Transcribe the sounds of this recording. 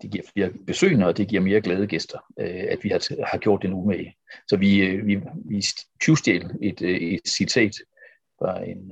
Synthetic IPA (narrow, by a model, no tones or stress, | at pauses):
d̥e̝ɡ̥iɐ̰fiɐb̥e̝sø̰ːnəɒ̽d̥e̝ɡ̥iɐ̰me̝ːɐɡ̥lɛːð̞ˠəɡ̥esd̥ɐøæd̥ʋihɑ̈t͡sʰhɑ̈ɡ̥jo̝ɐ̰d̥ːenumeləsɒ̽ʋiʋiʋi̥kʰusd̥jḛːle̝d̥ed̥sit͡sʰɛ̰ːd̥ | fɑ̈e̝n